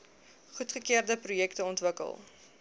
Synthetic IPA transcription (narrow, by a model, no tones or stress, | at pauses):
χutχəkiərdəprujɛktəɔntvəkə̰lˠ